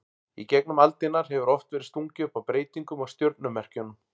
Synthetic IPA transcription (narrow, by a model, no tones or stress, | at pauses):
icɛknʏmalt̪ɪnːaɾ̥ɦɛvʏɾɔft̪vɛːɾɪ̥st̪uŋcɪʏpawpɾeːjt̪iŋkʏmawst̪jœɾt̪nʏmːɛr̥cʏnʏm